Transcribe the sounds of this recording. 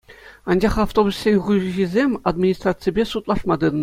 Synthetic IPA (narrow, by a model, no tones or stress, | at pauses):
ɑnd͡ʑɑχaft̪obussʲenʲʁuʑizʲemʲad̪mʲinʲist̪rat̪sɨjbʲesut̪lˠɑʂmɑd̪ɯnn